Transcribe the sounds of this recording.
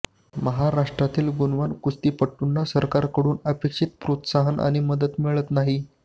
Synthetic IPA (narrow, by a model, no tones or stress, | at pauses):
məɦaɾaʂʈɾat̪iːlɡunʋankust̪iːpəʈːunːasəɾkaɾkəɽuːnəpekʂit̪̚pɾot̪saɦənʔa̰ɽ̃iməd̪ət̪miɭət̪naɦi